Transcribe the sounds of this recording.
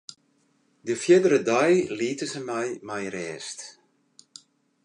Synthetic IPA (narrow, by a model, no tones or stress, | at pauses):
dəfiədəɾədœjliːtəsəmɛjmɛjrɛːst